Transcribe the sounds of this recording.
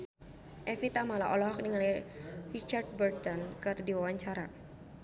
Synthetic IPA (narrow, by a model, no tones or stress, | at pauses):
ʔɛfit̪amalaʔɔlɔɦɔk̚niŋalirit͡ʃard̪̚bərt̪ɔnkɨrdiwawaɲt͡ʃaɾa